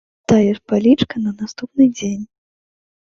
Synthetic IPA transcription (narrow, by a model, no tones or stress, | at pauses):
t̪ajɛʂpalʲit͡ʂkɐnɐnast̪upnɨd͡zʲenʲ